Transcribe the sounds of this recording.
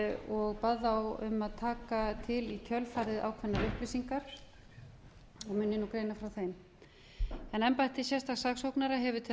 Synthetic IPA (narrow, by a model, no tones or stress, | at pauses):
ɔɣpaðawʏ̰mːaðt̪ʰaːkat̪ʰɪlic̪ʰœlfaːɾɪðʔa̰ːwkʰvɛnːaɾʏhplɪsiŋkaɾ̥ | ɔɣmʏːnːɪnukɾejnafɾawθejm | ɛnɛmpaht̪ɪsjɛst̪aɣsaɣsowknaɾaɦɛvʏt̪ʰɪ